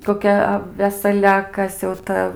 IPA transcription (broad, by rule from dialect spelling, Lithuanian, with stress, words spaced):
koːˈkʲɛ ɐ ʋʲɛsɐˈlʲɛ ɐ ˈkɐs jɛʊ ˈtɐ